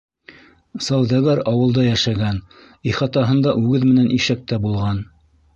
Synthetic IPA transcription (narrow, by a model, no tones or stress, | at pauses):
sɑwðæɡæɾɑwɤ̆lˠd̪ɑjæʃæɡæn | iχɑt̪ɑɦɤ̆nd̪ɑʔʉɡɘðmɘ̆nænʔiʃæk̚t̪æbulˠʁɑn